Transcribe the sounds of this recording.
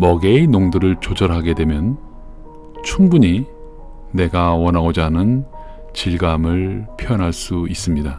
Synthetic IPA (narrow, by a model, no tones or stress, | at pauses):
mʌɡe̞inoŋdɯɾɯɭt͡ɕod͡ʑʌɾɦaɡe̞dwe̞mjʌn | t͡ɕʰuŋbuɲi | ne̞ɡawʌnaod͡ʑanɯn | t͡ɕiɭɡamɯɭpʰijʌnɦaɭs͈uis͈ɯmɲida